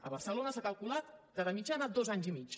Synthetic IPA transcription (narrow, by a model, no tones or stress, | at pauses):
ə̰βərsəlonəsakəlˠkulat̪d̪əðəmid͡ʒanad̪ozaɲzimit͡ʃ